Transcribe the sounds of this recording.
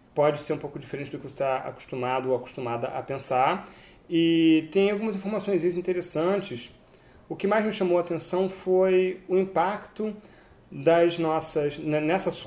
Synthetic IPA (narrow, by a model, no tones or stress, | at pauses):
pɔd͡ʒɪseɾũpowkʊd͡ʒifeɾẽt͡ʃɪd̪ʊkɪvoset̪aa̰kʊ̥ʃt̪umad̪ʊowakʊ̥ʃt̪ũmad̪ɐʔɐ̰pẽsaɾ | ɪt̪ẽj̃awɡũmɐzĩfoɾmasõj̃zizĩnt̪eɾesɐ̃t͡ʃɪs | ʊkɪmajznʊʃãmowat̪ẽsɐ̃w̃fojʊĩpakt̪ʊ | d̪ɐznɔsɐʃnɐnɛsɐs